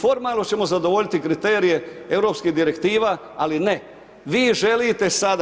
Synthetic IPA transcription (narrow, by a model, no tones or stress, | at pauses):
fo̞ɾmaːlˠno̞t͡ɕe̞mo̞zad̪o̞ʋo̞ʎit̪ikɾit̪e̞ːɾije̞e̞ʋɾo̞ːpskiɦd̪iɾe̞kt̪iːʋaː | aline̞ | ʋiːʒe̞lit̪e̞sad̪